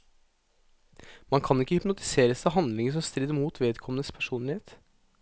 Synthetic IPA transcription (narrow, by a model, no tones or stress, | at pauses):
mɑnkʰɑnɪkːəhʏpnʊt̪ɪ̥seːɾəsɑɦɑnd̪lɪŋəʂɔmst̪ɾiːd̪əmuːt̪ʰʋeːd̪kʰɔmənəspʰæʂuːnlɪheːt̪